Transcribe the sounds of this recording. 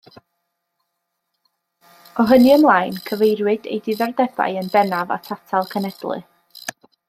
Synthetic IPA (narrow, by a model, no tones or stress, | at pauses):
ɔɦəniəmlˠajnkʰəvejrwɨdḛjdɪðɛrdɛba̰jənbɛnava̰tʰatʰalˠkʰənɛdlˠɨ̰